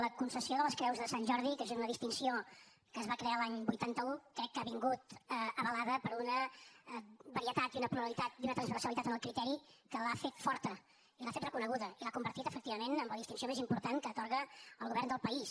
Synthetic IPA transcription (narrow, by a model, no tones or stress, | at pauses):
ləkunsəsioðələskɾɛwzðəsanʲʒɔɾðikeznunəðist̪insio | kəzβakɾealaɲbujt̪ant̪əukɾɛkːəaβiŋɡut̪əəβəlaðəpəɾunə | βəɾiət̪at̪iunəpɾuββlit̪at̪̚unət̪ɾənzβəsəlit̪at̪ənəlˠkɾit̪ɛɾikəlafet̪fɔɾt̪ə | ilafet̪rəkunəɣuðəilakumbəɾt̪it̪əfək̚t̪iβəmenəmləðist̪insiomezimpuɾt̪aŋkəːt̪oɾɣəəlˠɣuβɛɾrnd̪əlˠpəis